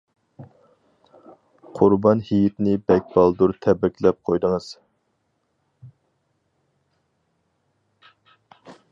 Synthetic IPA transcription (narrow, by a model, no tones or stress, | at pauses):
qʰʊɾbɑnhijit̪nɪbɛk̚ʲb̥ɑlˠd̪uɾt̪ʰɛbɾɪkʲlɛp̚qʰojd̪əŋəz̥